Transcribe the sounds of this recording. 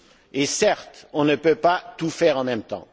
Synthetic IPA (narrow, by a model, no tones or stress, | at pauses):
esɛʁt̪ɔ̃nəpøpat̪ufɛʁɑ̃mɛ̃mt̪ɑ̰̃